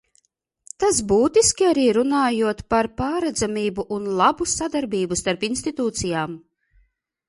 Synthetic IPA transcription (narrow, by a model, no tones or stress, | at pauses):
t̪asbuːt̪iskʲiaɾiːɾunaːjuɔt̪paɾpaːɾɛd̪zamiːbuʔunlˠabusad̪aɾbiːbust̪aɾpinst̪it̪uːt̪sijaːm